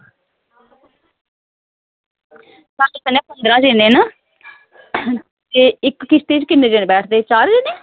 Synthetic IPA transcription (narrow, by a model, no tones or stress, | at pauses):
saːlekənːeːpənd̪ɾãːd͡ʒeːnẽːnaː | t̪eːɪkːɪt͡ʃʰt̪eːt͡ʃkɪnːeːd͡ʒeːnebɛːʈʰd̪eːt͡ʃaːɾd͡ʒeːneː